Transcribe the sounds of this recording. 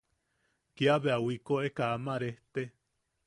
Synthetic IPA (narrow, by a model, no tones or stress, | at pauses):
kiaβeawikoʔekaamaɾeht̪e